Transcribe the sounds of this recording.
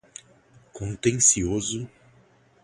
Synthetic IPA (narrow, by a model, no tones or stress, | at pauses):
kõnt̪ẽŋsiozʊ